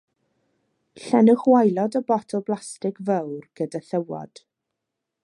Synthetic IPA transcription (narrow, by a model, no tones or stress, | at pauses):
ɬɛnəχwajlˠɔdəbɔtʰɔlˠblˠastɪkvəwrɡ̥ədaθəwɔ̰d̥